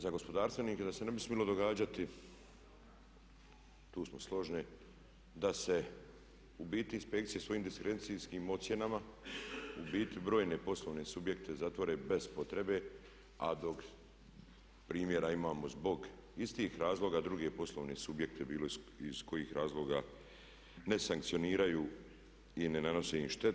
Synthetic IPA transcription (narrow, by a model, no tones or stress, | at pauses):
zaɡo̞spo̞d̪aːɾst̪ʋe̞niːked̪asene̞bismjelˠo̞d̪o̞ɡaːd͡ʑat̪i | t̪uːsmo̞slˠo̞ʒni | d̪ase̞ | ubiːt̪iinspe̞kt̪sije̞sʋo̞jiːmd̪iskɾensiskiːmo̞t̪sje̞nama | ubiːt̪ibɾo̞ːjne̞po̞slo̞ːʋne̞subje̞kt̪ezat̪ʋo̞ɾebe̞z̥po̞t̪ɾe̞be | a̰d̪o̞k | pɾiːmje̞ɾaimaːmozbo̞ɡ | ist̪ixɾaːzlˠo̞ːɡad̪ɾuɡe̞po̞slˠo̞ʋnesubjekt̪ebiːloiz̥ko̞jiːxɾaːzlˠo̞ːɡa | ne̞saŋk̚t̪sio̞niːɾajuː | inenano̞seniʃt̪e